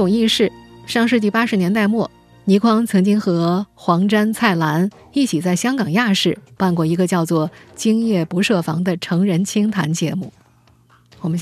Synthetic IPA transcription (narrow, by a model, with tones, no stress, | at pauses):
ʈ͡ʂʊ˨˩ŋi˥˧ʂɻ̩˥˩ʂɑ˥˧ŋʂ̬ɻ̩˥˧t͡ɕi˥˩pa˥ʂɻ̩˧˥njɛ˧˥nt̪a˥˧ɪmwɔ˥˩ | ni˧˥kʰwɑ˥ŋt͡sʰɤ˧˥ŋt͡ɕi˥ŋxɤ˧˥xwɑ˧˥ŋʈ͡ʂa˥nt͡sʰa˥˩ɪla˧˥n | i˥˩t͡ɕʰi˨˩t͡sa˥˩ɪɕjɑ˥ŋkɑ˨˩ŋja˥˧ʂɻ̩˥˩pa˥˧nkwɔ˥˩i˧˥ɡə˧t͡ɕjɑ˥˧ʊt͡swɔ˥˩t͡ɕi˥ŋjɛ˥˩pu˧˥ʂɤ˥˩fɑ˧˥ŋd̪ə˧ʈ͡ʂʰɤ˧˥ŋɻə˧˥nt͡ɕʰi˥ŋt̪ʰa̰˧˥nt͡ɕjɛ˧˥mu˥˩ | wɔ˨˩mə˦ɕ